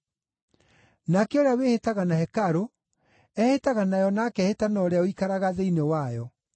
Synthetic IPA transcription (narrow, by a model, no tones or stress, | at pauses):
nakeoɾeawehetaɣanahɛkaɾo | ɛhetaɣanajɔnakɛhetanɔɾeaoikaɾaɣaðeinewajɔ